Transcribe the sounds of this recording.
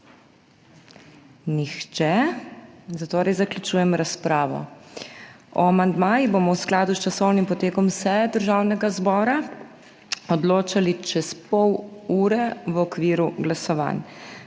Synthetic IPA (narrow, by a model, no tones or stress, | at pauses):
nixt͡ʃɛ | zat̪oːɾɛjzaklʲut͡ʃuːjɛmɾaspɾaːʋɔ̰ | ɔ̰amand̪maːjibomɔwsklaːd̪ust͡ʃasɔwnimpɔt̪eːkɔmsɛɛd̪əɾʒawnɛɡazbɔːɾa | ɔd̪loːt͡ʃalit͡ʃɛspɔwuːɾɛʋɔkʋiːɾuɡlasɔʋa̰n